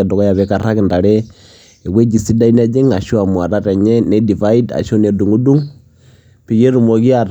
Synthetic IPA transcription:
ɛ˨dɔ˨kɔ˦ja˨βɛ˨˦ka˨ɾa˦kɪ˨nda˨ɾɛ˦ | e˨we˦d͡ʒi˨si˦da˦i˦n˦a˦d͡ʒi˦ŋa˨ʃu˦a˨mu˨a˨ɾa˦tɛ˨ɲɛ˦nɛ˦di˨va˦i˦da̰˨ʃɔ˦ne˨du˨ŋu˦du˦ŋ | pi˨je˦ɾu˨mɔ˨ki˦a˨ɾ

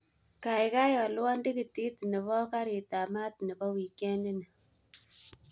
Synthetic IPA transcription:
ka˨jka˦jɔ˨lwɔ˦ndi˦ki˨ti˦t̪nɛ˨βɔ˦ka˦ɾi˨ta˨ma˦t̪nɛ˨bɔ˦wi˨kɛ˦ni˦nɛ˨

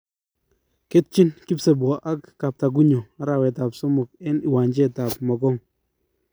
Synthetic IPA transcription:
ke˦t̚t͡ʃi˦nki˦pse˨bwa˨ʔa˦kːa˨p̚ta˨k̬u˦ɲo˨a˦ɾa˨wɛ˨ta˨psʊ˦mʊ˨k̚ɛ˦nɪ˨wa˨nd͡ʒe˦ta˨pmɔ˨kɔ˦ŋ

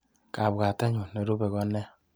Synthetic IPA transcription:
ka˨bɡa˨te˦ɲu˨ne˨ɾo˦be˨kɔ˦nːe˦

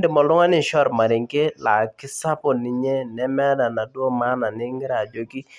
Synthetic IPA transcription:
dɪ˨mɔ˨lʊ˦ŋa˦nɪ˨ʃɔ˦˨ɾma˨ɾɪ˨ŋ˦ke˦la˨kɪ˦sa˦pɔ˨nɪ˨ɲɛ˦nɛ˦mɛ˦da˨na˨do˦ma˦na˨nɪ˦ŋɡɪ˦ɾa˨d͡ʒo˦ki˦

